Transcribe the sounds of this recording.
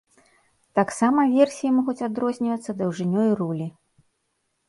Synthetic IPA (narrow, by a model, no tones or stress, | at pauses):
t̪aksamɐvʲɛrsʲijimɔɣut͡sʲad̪ɾɔzʲnʲivɐt̪sːɐd̪ɐwʐɨnʲɔjrulʲi